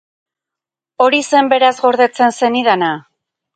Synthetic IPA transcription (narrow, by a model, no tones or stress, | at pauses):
o̞ɾise̞mbe̞ɾazɣo̞ɾðe̞t͡se̞nse̞niðana